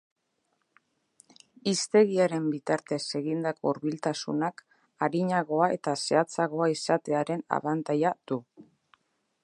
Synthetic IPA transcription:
ist̪e̞ɣiaɾe̞mbit̪aɾt̪e̞se̞ɣind̪ako̞uɾβilt̪asṵnak | aɾiɲaɣo̞ae̞̰t̪ase̞at͡saɣo̞aisat̪e̞aɾe̞na̰βant̪ajad̪̥u

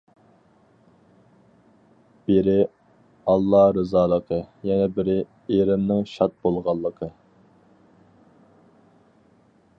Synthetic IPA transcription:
b̥ɪɾɪ | ɑlˠːɑɾɨzɑːlˠəqʰəjɛnɛbɪɾɪ | eɾɪmnɪŋʃɑt̪̚bolˠʁɑlˠːəqʰə

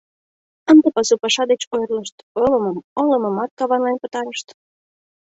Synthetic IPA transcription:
ənd̪əpɑsupɑʃɑd̪et͡ɕojrləʃt̪oləməmoləməmɑt̪̚kɑβɑnlɑnpət̪ɑɾəʃt̪

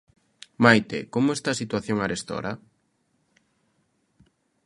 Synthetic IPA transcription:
majt̪ḛkomʊest̪asit̪waθjoŋaɾest̪ɔ̰ɾɐ̰

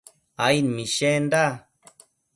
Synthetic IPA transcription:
ajnmĩʃend̪a

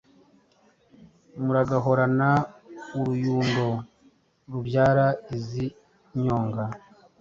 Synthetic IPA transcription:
muɾaɡaɦo̞ɾanauɾujuːŋɡo̞ | ɾuβjaːɾaizi | ɲo̞ːŋɡa

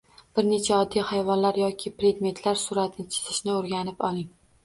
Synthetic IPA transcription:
b̥ɪɾne̞t͡ʃʰaɒd̪ːijhajvɒnlaɾjɒkʲʰɪpɾe̞d̪me̞nt̪ʰlaɾsʊɾat̪ʰɪnɪt͡ʃʰɪ̥zɪʃnɪoɾɡʲanɪpɒlˠɪŋ

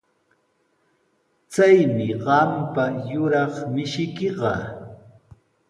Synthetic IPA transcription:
t͡sajmɪɢɑmpajʊɾɑχmɪʃɪkɪɢɑ̰

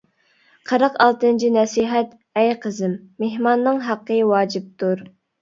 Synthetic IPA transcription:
qʰəɾəqɑlˠt̪ɨnt͡ʃʰinɛsiɦɛt̪ | ɛjqʰəzɪmːehmɑnːɨŋɦɑqːəwɑːd͡ʒip̚t̪uɾ

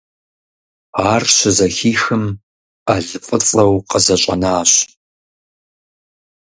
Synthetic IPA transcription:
aːrɕɪzɐxiːxɨm | aɮɨfʼɨt͡sʼɐwqəzɐɕʼɐnaːɕ

